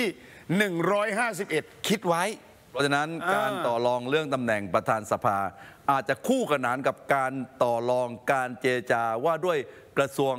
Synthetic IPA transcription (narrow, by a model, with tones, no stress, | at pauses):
t̪ʰiː˥˩ | nɯ˨˩ŋɾɔː˦˥jhaː˥˩s̬i˨˩p̚ʔe˨˩t̪̚kʰi˦˥t̪̚wa˦˥jʰ | ɔ˦˥t͡ɕʰa˧na˦˥nkaː˧nt̪ɔː˨˩lɔː˧ŋɾɯ˥˩əŋt̪a˧mnɛ˨˩ŋpɾa˧t̪ʰaː˧nsa˧pʰaː˧ʔaː˨˩t̪̚t͡ɕa˨˩kʰuː˥˩kʰa˧naː˩˦˥nka˨˩p̚kaː˧nt̪ɔː˨˩lɔː˧ŋkaː˧nt͡ɕeː˧a˧t͡ɕaː˧waː˥˩du˥˩əj | kɾa˧su˧əŋ